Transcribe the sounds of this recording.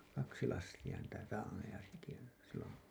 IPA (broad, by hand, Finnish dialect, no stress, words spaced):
kɑksi lɑstij̆ɑ niːtæ rɑːnejɑ seki silːon̞